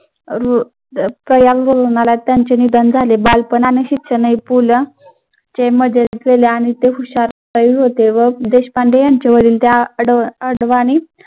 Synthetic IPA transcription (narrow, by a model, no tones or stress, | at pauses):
ɾu | pɾəjalɾolənalat̪jaɲt͡ɕenid̪ənd͡zʱalebalpənaneɕit̪ɕənəipulə | t͡ɕeməd͡zʱeɾet̪ɡeleaɽ̃it̪eɦuɕaɾpəjilɦot̪eʋəd̪eɕpaɳɖejaɲt͡ɕeʋəɽiːlt̪eɽəɽʋani